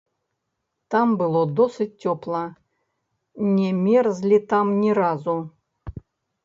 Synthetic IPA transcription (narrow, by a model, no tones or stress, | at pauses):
t̪ambɨlˠod̪osɨt̚ʲtʲːoplˠɐ | nʲɛmʲerzlʲit̪amnʲiɾazu